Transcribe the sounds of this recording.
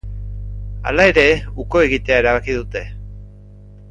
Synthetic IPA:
a̰lae̞ɾe̞uko̞e̞ɣit̪e̞ae̞ɾaβ̞akiðut̪e̞

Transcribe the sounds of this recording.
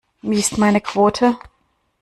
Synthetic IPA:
viːɪstmaɪnəkʰv̥oːtʰə

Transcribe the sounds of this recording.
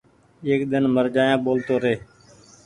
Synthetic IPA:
eːkɗ̪ənməɾd͡ʒaːjãːɓoːlt̪oːɾeː

